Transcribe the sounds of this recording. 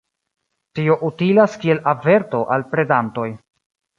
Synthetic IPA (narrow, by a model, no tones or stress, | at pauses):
tio̞ʔutilaskie̞lʔave̞ɾto̞ʔalpɾe̞danto̞j